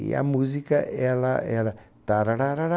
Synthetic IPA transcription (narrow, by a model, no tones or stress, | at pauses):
ja̰muzikaɛlaɛla | t̪aɾaɾaɾaɾa